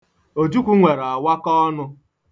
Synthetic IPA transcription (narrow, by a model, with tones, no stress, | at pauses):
o˨d͡ʒu˦kʷu˦ŋʷe˨ɾa˨wa˦kɔ˦nʊ˦